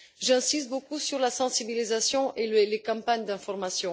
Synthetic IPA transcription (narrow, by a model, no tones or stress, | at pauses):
ʒɛ̃sist̪̚bokusyʁlasɑ̃sibilizasjɔ̃ʔelelekɑ̃paɲd̪ɛ̃fɔʁmasjɔ̃